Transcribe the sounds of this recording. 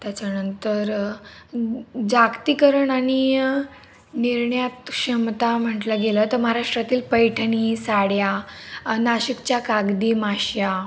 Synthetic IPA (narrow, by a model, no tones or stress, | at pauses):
t̪jat͡ɕjanənt̪əɾ | d͡zakt̪ikəɾəɳaɽ̃i | niɾɳjat̪ɕəmt̪am̤əʈləɡelət̪əɾməɦaɾaʂʈɾat̪iːlpəjʈʰənisaɽja | naɕikt͡ɕjakaɡd̪iːmaɕja